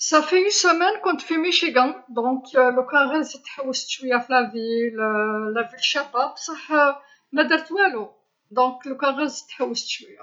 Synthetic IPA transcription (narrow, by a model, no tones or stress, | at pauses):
sæfiynsəmɛnkɔ̃nt̪fimiʃiɡæ̃d̪ɔ̃kləkaʁəzit̪ħawːəst̪wijæflævilːævilʃæbabsˤɑħ | mæd̪əɾt̪wælu | d̪ɔ̃kləkɑʁəzit̪ħawːəst̪wija